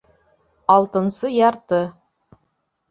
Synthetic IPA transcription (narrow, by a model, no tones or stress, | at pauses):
ɑlˠt̪ɤ̆nsɤjɑɾt̪ɤ